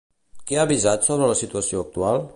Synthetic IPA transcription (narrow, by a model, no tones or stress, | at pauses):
keaβizat̪soβɾəlasit̪uasioːk̚t̪ual